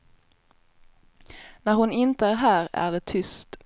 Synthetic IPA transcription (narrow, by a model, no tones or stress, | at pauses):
næɾhʊnɪnt̪əæːɾɦæːɾæ̰ːʁd̪eːt̪ʰʏst̪